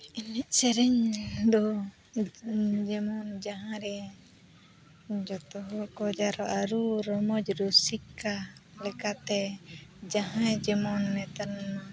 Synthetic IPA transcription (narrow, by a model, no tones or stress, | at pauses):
inɛʔ̚sɛɾɛɲd̪ɔ | d͡ʒɛmɔnd͡ʒaɦãɾɛ | d͡ʒɔt̪ɔɦɔkɔd͡ʒaɾɔʔaɾuɾɔmɔd͡ʒɾusikːalɛkat̪ɛd͡ʒaɦãd͡ʒɛmɔnːɛt̪aɾnma